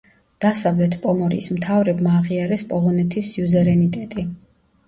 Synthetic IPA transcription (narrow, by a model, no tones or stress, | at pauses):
d̪̥asavlɛt̪ʰpʼɔmɔɾḭsmt̪ʰavɾɛbmaːʁiaɾɛspʼɔlˠɔnɛt̪ʰisiuvɛɾɛnit̪ʼɛt̪ʼi